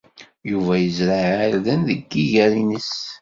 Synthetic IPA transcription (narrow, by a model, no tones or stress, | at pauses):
juvæjəzɾaʕəlðənðəɡːiʝæɾinəs